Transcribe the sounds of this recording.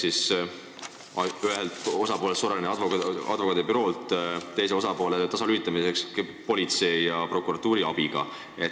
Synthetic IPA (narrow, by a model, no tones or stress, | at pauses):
sis | ɑyɦelt̪o̞sɑpo̞ːlesoɾɑlineɑd̪vokɑ̰d̪̥vo̞kɑt̪ːepyɾo̞ːlt̪t̪ːe̞js̬e̞o̞sɑpo̞ːlet̪ɑsɑlyhit̪ːˑɑmisekspo̞lʲit̪se̞jjɑpro̞kˑuɾɑt̪ːˑuːɾiɑb̥iɡ̥ɑ̰ | e